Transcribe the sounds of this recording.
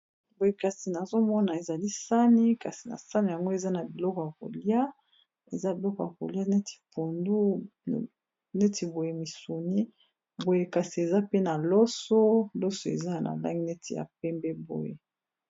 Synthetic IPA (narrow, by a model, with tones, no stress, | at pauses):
bo˨je˦ka˨si˨na˨zo˦mɔ˦na˨e˨za˨li˦sa˦ni˦ka˨si˨na̰˨sa˦ni˨ja˨ŋɡo˦e˨za˦na˨bi˨lɔ˦ko˨ja˨ko̰˨li˦a˦ | e˨za˦bi˨lɔ˦ko˨ja˨ko̰˨li˦a˦ne˦ti̥˨po˨ndu˦˨ | ne˦tʰi˨bo˨je˨mi˨su˨ni˦ | bo˨je˦ka˨si˨e˨za˦pe˦na˨lɔ˦so˦lɔ˦so˨ḛ˨za˦˨na̰˨la̰˦ŋɡi˦nɛ˦tʰi˨ja̰˨pɛ˦mbɛ˦bo̰˨jḛ˨